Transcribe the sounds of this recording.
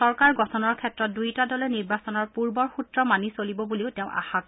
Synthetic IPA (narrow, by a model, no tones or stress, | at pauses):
sɔɹkaɹɡɔtʰɔnɔɹkʰɛtɹɔt̚dujtadɔlɛniɹbasɔnɔɹpuɹbɔɹxutɹɔmanisolibɔbuliʊtɛʊ̃ʔa̰xak